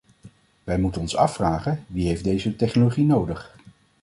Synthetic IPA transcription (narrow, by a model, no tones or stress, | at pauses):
ʋɛjmutənɔnsɑ̰fraːχənʋiɦejfdejzətɛχnoloχinowdəχ